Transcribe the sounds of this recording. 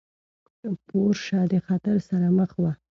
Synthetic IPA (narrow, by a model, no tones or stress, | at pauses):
əpoɾʃɑd̪əxɑt̪əɾsaɾaməxwa